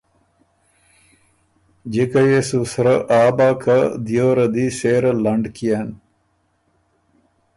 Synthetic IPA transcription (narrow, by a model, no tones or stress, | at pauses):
d͡ʑekɐjesusɾɐʔaːbaːkɐd̪ijoːɾɐd̪iseːɾɐlɐɳɖkijan